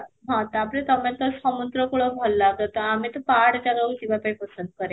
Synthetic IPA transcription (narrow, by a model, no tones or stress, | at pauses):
ɦãt̪əaplet̪əmjat̪əsəmunt̪ɾəkuɭəbʱəlːat̪ət̪əamit̪əpaɽd͡ʑaləud͡ʑiʋapapəsənd̪̚kəɾe